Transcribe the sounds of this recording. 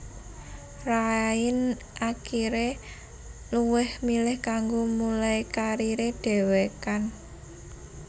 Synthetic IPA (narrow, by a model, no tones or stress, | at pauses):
raɪn | ʔakiɾe | luwɪhmilɪhkaŋɡomulajkaɾiɾeɖ̥e̤wekan